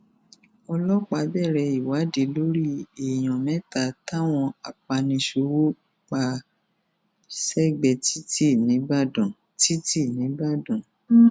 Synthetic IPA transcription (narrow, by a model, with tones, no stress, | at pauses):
ɔ˧lɔ˦k͡pa˨˦bɛ˦˨ɾɛ˧i˨wa˨˦de˨˦lo˦ɾi˦e˨j̃ɔ̃˨mɛ̃˦ta˨ta˦˨w̃ɔ̃˧a˨k͡pa˧nĩ˧ʃo˧˦wo˦ | k͡pa˧ | sɛ˦˨ɡ͡bɛ˧˨ti˦ti˦˨nĩ˨˦ba˦˨dɔ̃˨ | ti˦ti˦˨nĩ˨˦ba˦˨dɔ̃˨